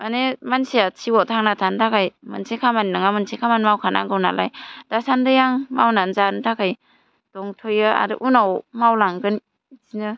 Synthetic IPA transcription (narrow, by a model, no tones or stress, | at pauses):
anemansiasʰiwɔtʰaŋnatʰantʰakʰajmɯ̰nsekʰamannaŋamɯnsekʰamanmawkʰanʔa̰ŋɡɯwna̰lajd̥asandɯjaŋmawnanzantʰakʰaj | d̥ɔŋtʰojɯa̰dɯ̰ʔunawmawlaŋɡɯn | zinɯ